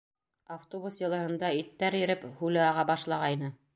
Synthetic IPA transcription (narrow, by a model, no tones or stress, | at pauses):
aft̪obusjɤ̆lˠɤ̆hɤ̆nd̪ɑit̪ːæɾjɘ̆ɾɘphʉlɘɑʁɑbɑʃlˠɑʁɑjnɤ